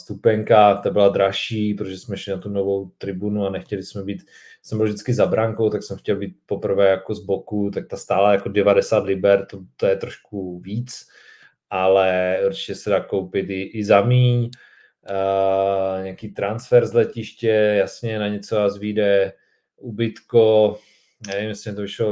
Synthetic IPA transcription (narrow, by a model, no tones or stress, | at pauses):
st̪upɛŋkat̪abɪlad̪ɾaʃiːpɾot̪oʒɛsmɛʃlɪnat̪unovowt̪ɾɪbunuanɛxcɛlɪsmɛbiːt̪ | sɛmbɪlvʒdɪt͡skɪzabɾaŋkowt̪aksɛmxcɛlbiːt̪̚popr̩vɛːjakozbokut̪ak̚t̪ast̪aːlajakodɛvadɛsaːt̪lɪbɛɾt̪ot̪ojɛt̪ɾoʃkuviːt͡s | ʔalɛuɾt͡ʃɪ̥cɛsɛdaːkowpɪt̪ɪʔɪzamiːɲ | ɲɛakiːt̪ɾansfɛɾzlɛcɪʃcɛjasɲɛnaɲɛt͡soazviːdɛ | ʔubɪt̪ko | nɛnɛvɪmjɛslɪmɲɛt̪ovɪʃlo